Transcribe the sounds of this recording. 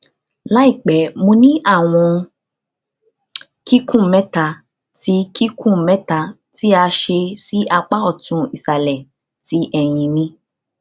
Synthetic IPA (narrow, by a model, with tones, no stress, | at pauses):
la˦i˦˨k͡pɛ˨˦mõ˧nĩ˦ʔa˦˨w̃ɔ̃˧ | ki˦kũ˦˨mɛ̃˨˦ta˧˨ | ti˨˦ki˦kʰũ˦˨mɛ̃˦ta˧ | ti˦a˧ʃe˧si˦a˧k͡pa˦ɔ˦˨tũ˧i˨sa˧lɛ˨ | ti˨˦ʔɛ˨j̃ĩ˧mĩ˧